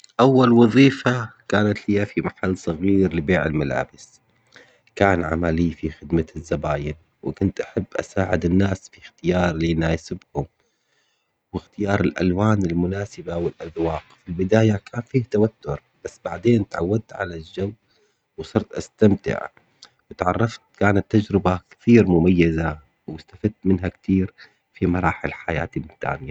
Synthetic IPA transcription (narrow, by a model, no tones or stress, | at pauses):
ʔawːalwɑðˤiːfakaːnat̪hɪjːafimaħalːsˤɑɣiːɾlɪbeːʕɪlmala̰ːbɪs | kaːnʕa̰malijːfixɪd̪mazːabaːjɪn | wɪkʊnt̪ʔaħabːʔa̰saːʕɪd̪ɪnːaːsfixt̪ɪjɑːɾˤlinaːjsɪbhʊm | wɪxt̪ɪjɑːɾˤɪlʔa̰lwaːnɪlmʊnaːsɪbawɪlʔaðwaːqfilbɪd̪aːjakʰaːnfiːht̪awat̪ːʊɾˤ | b̥asːbaʕd̪eːnt̪ʕa̰wːad̪̚t̪ʕa̰lald͡ʒaw | wsˤɑɾt̪ʔast̪amt̪ɪ̰ʕ | wɪt̪ʕɑrˤːɑft̪̚kaːnat̪ːad͡ʒɾɪbakt̪iːɾmʊmajːaza | wɪst̪afad̪̚t̪mɪnɦakt̪iːɾ | fimɑɾˤɑːħɪlħaja̰ːt̪imʊt̪ːa̰ːnɪja